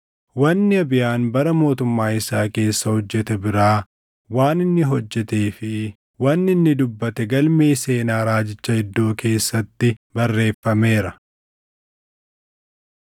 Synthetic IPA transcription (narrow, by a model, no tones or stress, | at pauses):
wɐnːɪɐbɪjaːnbɐɾɐmo̞ːt̪ʊmːaːɪsaːke̞ːsːɐhɔd͡ʒːɛt̪ɛbɪɾaː | waːnɪnːɪɦɔd͡ʒːɛt̪eːfɪ | wɐnːɪnːɪd̪ʊbːɐt̪ɛɡɐlmeːse̞ːnaːɾaːd͡ʒɪt͡ʃːɐhɪd̪ːo̞ːke̞ːsːɐt̪ːɪbɐrːe̞ːfːɐme̞ːɾɐ